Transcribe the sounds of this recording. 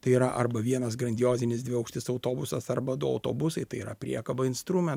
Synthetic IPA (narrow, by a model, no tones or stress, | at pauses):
t̪ɐɪiɾɐʔɐɾbɐʋʲiɛnɐsɡɾɐnʲd̪ʲɪjoːzʲɪnʲɪzd̪ʋʲɪɐʊkʃʲt̪ʲɪsɐʊt̪oːbʊsɐsɐɾbɐd̪ʊɐ̰ʊt̪o̰ːbʊsɐɪt̪ɐɪiːɾɐ̰pʲɾʲḭɛkɐbɐɪnst̪ɾuːmʲɛ